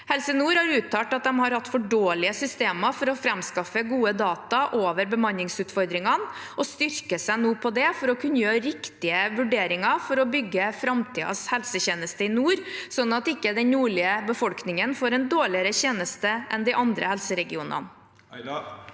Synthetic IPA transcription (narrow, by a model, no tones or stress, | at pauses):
hɛlsənuːɾhɑɾʉːt̪ʰːɑːʈɑt̪̚d̪ɛmhɑɾhɑt̪ːfɔɖoːlɪəsʏst̪eːmɑfɔɾɔfɾɛmskɑfəɡuːəd̪ɑːt̪ɑʔoːʋəɾbəmɑnɪŋsʉːt̪fɔɾd̪ɾɪŋɑnʔɔst̪ʏɾkəsæɪnuːpʰɔd̪ɛfɔɾɔkʰʉnːəjøːɾɪkt̪ɪəʋʉɖeːɾɪŋɑfɔɾɔbʏɡːəfɾɑmt̪ʰiːɑ̰shɛlsəçeːnəst̪əɪnuːɾsɔnːɑt̪ɪkːəd̪ɛnuːɭɪəbəfɔlknɪŋənfoːɾɛnd̪oːɭɪəɾəçeːnəst̪əʔɛnd̪ɪʔɑnd̪ɾə̰hɛlsəɾɛɡɪuːnə̰n